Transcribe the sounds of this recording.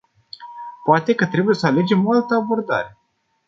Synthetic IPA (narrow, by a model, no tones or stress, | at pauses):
poat̪e̞kət̪ɾe̞buje̞səale̞d͡ʒe̞moalt̪əabo̞rd̪a̰ɾe̞